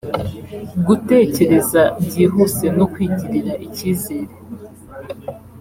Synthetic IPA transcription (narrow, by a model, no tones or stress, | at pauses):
ɡute̞ːce̞ɾe̞zaɲɟiːɦuse̞nokwiːɟiɾiɾaʔiciːze̞ːɾe